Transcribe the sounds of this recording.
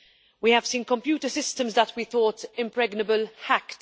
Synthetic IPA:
wihəv̥sĩːnkə̃mpjuːtəsɪstə̃mzðətʰwiθɔːtɪ̃mpɹɛɡnəbəlhækt

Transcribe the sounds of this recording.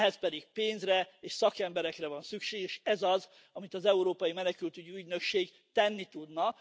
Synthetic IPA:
ɦɛspɛd̪iɡpeːnzrɛeːʃsɒkɛmbɛɾɛkrɛvɒnsykʃeːɡeʃɛzɒz | ɒmit̪ɒzɛuɾoːpɒjimɛnɛkylt̪yɟyyɟnø̞kʃeːɡ | t̪ɛnːit̪ud̪nɒ

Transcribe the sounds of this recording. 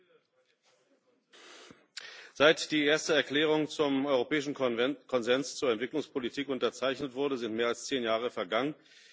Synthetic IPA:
z̥aɪtd̥iːeːɐstəɛɐkl̥ɛːʁ̞ʊŋt͡sʊmʔɔʏʁopɛːɪʃn̩kʰɔnzɛnst͡suːɐɛntv̥ɪklʊŋspʰolitʰiːkʔʊntɐt͡saɪçnətv̥ʊɐdəzɪntmeːɐalst͡seːnjaːʁ̞əfɛɐɡaŋən

